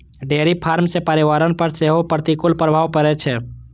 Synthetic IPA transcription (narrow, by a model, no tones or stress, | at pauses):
ɖeɾipʰaɾmsepəɾiʋaɾənpəɾseɦopəɾt̪ikulpɾəbʱaʋpəɾɛt͡ʃʰɛ